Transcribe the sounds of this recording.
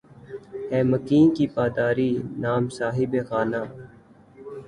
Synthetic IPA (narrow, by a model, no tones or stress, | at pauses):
hɛːməkiːnkiːpaːd̪aːɾiːnaːmsaːɦɪbeːxaːnaː